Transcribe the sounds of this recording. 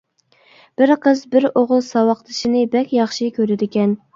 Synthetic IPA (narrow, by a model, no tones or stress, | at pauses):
b̥ɪɾqʰəzbɪɾoʁʊlˠsɑwɑqt̪ʰɨʃinɨbɛkʲjɑχʃikʲøɾɪd̪ɪkʲɛn